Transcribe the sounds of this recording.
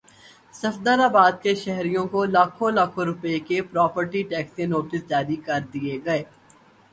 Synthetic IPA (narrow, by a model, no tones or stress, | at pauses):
sɐfd̪əɾaːbaːd̪̚keʃɛɦɾijõkolaːkʰõlɐkʰõɾʊpekepɾɔːpəɾʈiʈɛːksenoːʈɪsd͡ʒaːɾikɐɾd̪ieɡɐeː